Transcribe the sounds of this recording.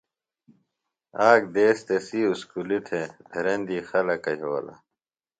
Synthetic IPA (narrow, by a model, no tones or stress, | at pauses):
aːɡd̪eːst̪esiːuskulit̪ʰed̪ʱɐɾend̪iːxɐlɐkɐɦwɐ̰la̰